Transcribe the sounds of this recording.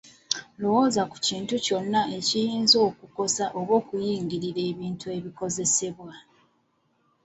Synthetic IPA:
lo̞wo̞ːzaku̥ciːntuco̞nːae̞cijiːnzo̞ːkuko̞saʔo̞βo̞ːkujiːŋɡiɾiɾe̞ːβiːntue̞βiko̞ze̞se̞βwa

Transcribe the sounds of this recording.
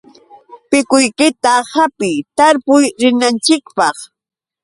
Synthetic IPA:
pɪkʊjkɪt̪ahapɪjt̪aɾpʊjɾɪnant͡ʃɪkpɑχ

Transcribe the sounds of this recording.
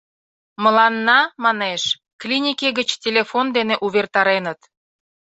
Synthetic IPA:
məlɑnːɑmɑneʃ | klʲinʲikeɣət͡ɕtʲelʲefond̪eneʔuβert̪ɑɾenət̪

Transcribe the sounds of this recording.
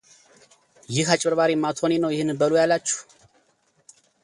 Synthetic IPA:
jɪhat͡ʃʼbəɾβaɾimːat̪ʰonenəwjɪhɨnbəlojalːat͡ʃːu̥

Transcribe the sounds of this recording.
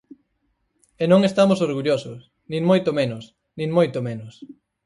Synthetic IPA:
enõŋest̪amosoɾɣuʎosʊs | nĩŋmojt̪omenʊs | nĩŋmojt̪omenʊs

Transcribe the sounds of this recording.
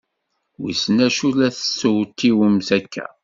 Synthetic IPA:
wḭsənæʃulæθə̥sːəwt̪ːiwəmsækʰːæ̰

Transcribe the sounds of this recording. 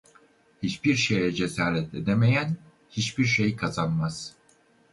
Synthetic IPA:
hit͡ʃbiɾʃejɛd͡ʒesaːɾɛt̪ed̪eme̞jæn | hit͡ʃbiɾʃe̞jkʰazanmaz̥

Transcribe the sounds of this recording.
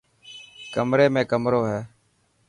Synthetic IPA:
kəmɾeːmẽːkəmɾoːɦɛː

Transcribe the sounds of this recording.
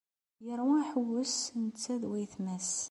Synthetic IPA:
jəɾˤuæħəwːəsnət͡sːæðwæjθmæs

